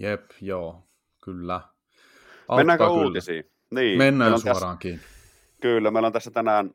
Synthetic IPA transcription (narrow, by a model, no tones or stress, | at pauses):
jepjoː | kylːæ | ʔɑenːæːŋk̪ːɑouyːlːisḭː | niːmenːæːsuɑrɑːŋkiːni | kylːæmeˑlont̪æsːæt̪ænæːn